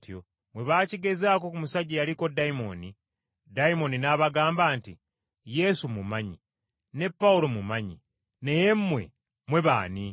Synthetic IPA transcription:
tjo̰ | mwe̞βaːciɡe̞zaːko̞kumusaɟijaɾiko̞daimo̞̰ni | daimo̞ninaβaɡaːmbaːnti | je̞sumumaɲi | ne̞pːawulo̞mumaɲi | ne̞jemːwe̞̰ | mwe̞βa̰ːni

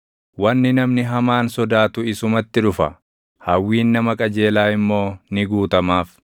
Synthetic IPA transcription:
wɐnːɪnɐmnɪɦɐmaːnsɔd̪aːt̪ʊɪsʊmɐt̪ːɪᶑʊfɐ | hɐwːiːnːɐmɐkʼɐd͡ʒe̞ːlaːɪmːo̞ːnɪɡuːt̪ɐmaːf

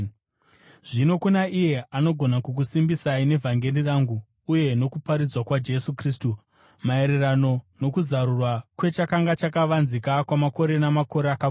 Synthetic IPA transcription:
ʐino̞kunaije̞ʔano̞ɡʱo̞nakuk̬usimbisaine̞vʱaŋɡe̞riraŋɡuː | je̞no̞kupaɾid͡zwakwad͡ʒe̞sukriːstu | mae̞ɾerano̞no̞kuzaɾurwakwe̞t͡ʃakaŋɡat͡ʃakaʋanzikakwamako̞ɾe̞namako̞ɾeaka

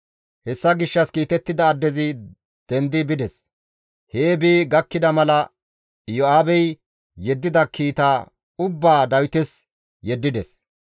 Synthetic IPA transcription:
hɛsːɐɡɪʃːɐskiːt̪ɛt̪ːɪd̪ɐːd̪ːɛzɪ | d̪̥ɛnd̪ɪbɪd̪ɛs | heːbiːɡɐkːɪd̪ɐmɐlɐ | joaːbɛj | jɛd̪ːɪd̪ɐkiːt̪aː | ʊbːaːd̪ɐwɪt̪ɛs | jɛd̪ːɪd̪ɛs

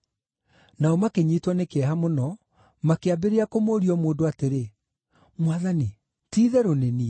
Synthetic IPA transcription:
naɔmakeɲiːtwɔnekeɛɦamonɔ | makeabeɾeakomoːɾiɔmoːndoateɾe | mwaðani | tiːðɛɾoneni

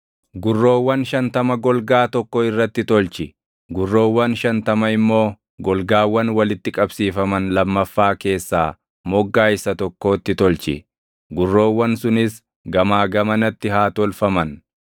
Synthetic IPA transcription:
ɡʊrːo̞ːwːɐnʃɐnt̪ɐmɐɡɔlɡaːt̪ɔkːɔɪrːɐt̪ːɪt̪ɔlt͡ʃɪ | ɡʊrːo̞ːwːɐnʃɐnt̪ɐmɐɪmːo̞ː | ɡɔlɡaːwːɐnwɐlɪt̪ːɪkʼɐbsiːfɐmɐnlɐmːɐfːaːke̞ːsːaː | mɔɡːaːɪsɐt̪ɔkːo̞ːt̪ːɪt̪ɔlt͡ʃɪ̰ | ɡʊrːo̞ːwːɐnsʊnɪs | ɡɐmaːɡɐmɐnɐt̪ːɪɦaːt̪ɔlfɐmɐn

